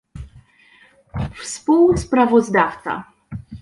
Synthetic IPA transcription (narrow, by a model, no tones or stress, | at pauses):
fspuwspɾavɔzd̪aft̪sa̰